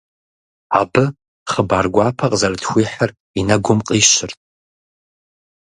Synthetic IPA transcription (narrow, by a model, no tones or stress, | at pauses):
abɨ | χəbaːrɡʷaːpʰɐqʼzɐrɨtʰxʷiːħər | inɐɡʷʊmqʼiːʃɪrtʼ